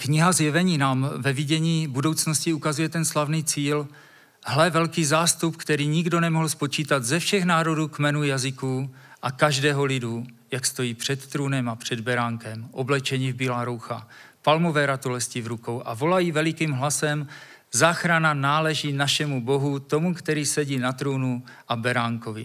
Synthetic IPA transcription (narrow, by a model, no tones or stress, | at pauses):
kɲɪɦazjɛvɛɲiːnaːmvɛvɪɟɛɲiːbudo̞wt͡sno̞scɪukazujɛt̪ɛnslavniːt͡siːl | hlɛvɛlkiːzaːst̪upkt̪ɛɾiːɲɪɡdo̞nɛmoɦl̩spo̞t͡ʃiːt̪at̪zɛfʃɛxnaːɾo̞duːkmɛnujazɪku | ʔakaʒdɛːɦo̞lɪdu | jakst̪o̞jiːpr̝̥ɛt̪ːɾoːnɛmapr̝̥ɛd̪bɛɾaːŋkɛmʔo̞blɛt͡ʃɛɲɪvbiːlaːɾowxa̰palmovɛːɾat̪ulɛscɪvɾuko̞wʔa̰vo̞lajivɛlɪkiːmɦlasɛm | zaːxɾananaːlɛʒinaʃɛmubo̞ɦut̪o̞mukt̪ɛɾiːsɛɟiːnat̪ɾownu | ʔabɛɾaːŋko̞vɪ̰